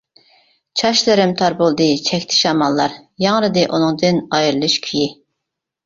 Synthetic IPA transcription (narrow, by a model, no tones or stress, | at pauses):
t͡ʃʰɑʃlˠɨɾɪmt̪ʰɑɾbolˠd̪ɨt͡ʃʰɛkʲt̪ʰɪ̥ʃɑmɑlˠːɑɾjɑŋɾɨd̪ɨʔunɨŋd̪ɨnɑjɾɨlˠɨʃkʲʰyji